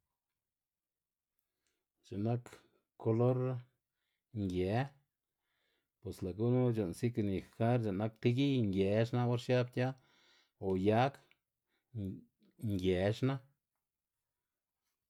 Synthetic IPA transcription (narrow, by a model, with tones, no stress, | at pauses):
t͡ʃa˨na˦k | ko˧lo˦ɾa˦ | ŋɡje˨ | pwe˨sla˨ɡu˦nu˦d͡ʒo˨nsi˦kni˨xa˦ɾd͡ʒa˨na˦k̚t̪i˦ɡi˦ŋɡje˨ʃna˦o˦ɾʃja˦bt̪ʲja˦ | o˨ja˦k | ŋɡje˨ʃna˦